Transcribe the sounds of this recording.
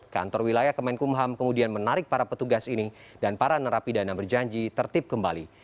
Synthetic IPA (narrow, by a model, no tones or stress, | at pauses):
ka̰nt̪ɔrwilajahkəmaɪnkumɦamkəmudianmənaɾɪk̚paɾapət̪uɡasinidanpaɾanəɾapidanabərd͡ʒaɲd͡ʒit̪ərt̪ɪp̚kəmbali